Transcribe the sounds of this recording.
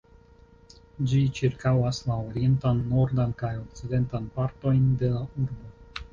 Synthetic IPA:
d͡ʒit͡ʃiɾkawaslaoɾie̞ntanːo̞ɾdankajo̞k̚t͡side̞ntanpaɾto̞jnde̞lauɾbo̞

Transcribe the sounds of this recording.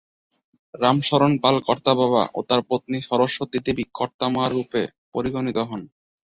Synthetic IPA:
ɾamʃɔɾonpalkɔɾt̪abaβa̰ʔo̰t̪aɾpɾot̪niʃɔɾoʃːot̪it̪ibikʰːɔɾt̪amaɾːupe | poɾiɡonit̪oɦɔn

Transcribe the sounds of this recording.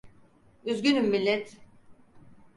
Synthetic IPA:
yzɟynymmilʲːɛt̪

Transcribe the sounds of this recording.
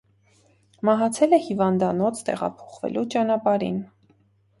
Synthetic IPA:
mɑɦɑt͡sʰɛlɛhivɑnd̪ɑnɔt͡sʰt̪ɛ̰ʁɑ̰pʰɔ̥χvɛ̰lʔut͡ʃɑnɑpɑɾḭn

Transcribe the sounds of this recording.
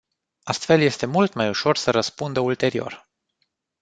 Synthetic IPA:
ast̪fe̞lje̞st̪e̞mult̪majuʃo̞rsəɾəspund̪əult̪e̞ɾio̞̰r

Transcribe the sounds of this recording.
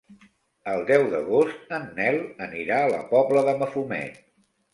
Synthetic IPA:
əlˠd̪ɛwðəɣost̪̚ənːɛləniɾaələ̰pɔbləðəməfumɛ̰n

